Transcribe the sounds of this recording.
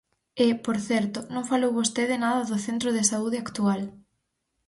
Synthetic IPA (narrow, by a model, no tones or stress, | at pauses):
ɪpoɾθɛɾt̪ʊnõŋfalowβost̪eðɪnaðɐðʊθent̪ɾoðɪsauðɪakt̪ual